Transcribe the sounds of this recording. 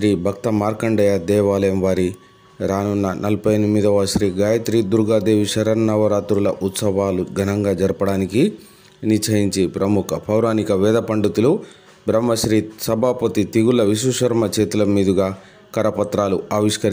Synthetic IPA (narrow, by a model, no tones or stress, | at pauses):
ʃɾiːbʱɐkt̪ɐmaːɾkɐɳɖɐjɐd̪ɛːʋaːlɐjɐmʋaːɾi | ɾaːnunːɐnʔɐlpɐjnimːid̪ɐʋɐʃɾiːɡaːjɐt̪ɾiːd̪uɾɡaːd̪eːʋiʃɐɾɐɾnɐʋɐɾaːt̪ɾulɐʔut̪sɐʋaːluɡʱɐnɐŋɡaːd͡ʒɐɾɐpɐɽaːniki | nit͡ʃʰɐjiɲt͡ʃipɾɐmukʰɐpʰɐwɾaːnikɐʋɛːd̪ɐpɐɳɖut̪ulu | bɾɐmːɐʃɾiːsɐbʱaːpɐt̪it̪iɡulːɐʋisuʃɐɾmɐt͡ʃeːt̪ulɐmiːd̪iɡaː | kɐɾɐpɐt̪ɾaːluaːʋiʂkɐɾ